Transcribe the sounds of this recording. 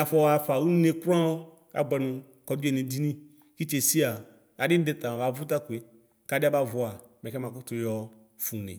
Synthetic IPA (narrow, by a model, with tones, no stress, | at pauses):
a˨fɔ˦˨a˨fa˨wu˦ne˨kɾã˦wɔ˦ | a̰˨ɡ͡bɛ˨nũ˨ | kɔ˨du˦e˦˨nẽ˨di˦nĩ˦ | ki˦t͡ʃe˨si˦a˨ | a˨dɪ˦n˦dɛ˦t̪a˨ã˨ba˨vʊ˦ta˦ku˨e˨ | ka˦dɪ˦a˦ba˦vʊ˨a˨mɛ˨kɛ˦mã˨kʊ˦tʊ˨˦jɔ˨ | fu˨nḛ˨